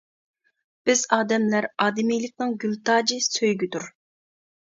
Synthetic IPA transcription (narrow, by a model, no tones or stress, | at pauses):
b̥ɪzɑːd̪ɛmlæɾɑːd̪ɪmijlˠɪk̚ʲnɨŋɡʲylt̪ɑːd͡ʒɨsøjɡʲyd̪uɾ